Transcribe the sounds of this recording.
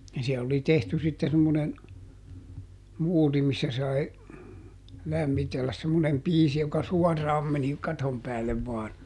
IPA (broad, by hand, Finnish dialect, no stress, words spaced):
jɑ siɛl oli tehty sitːe semːonen muːri misːæ sɑi læmːitelːæs semːonem piːsi jokɑ suɔrːɑːm meni kɑtom pæːlːeʋ ʋɑːn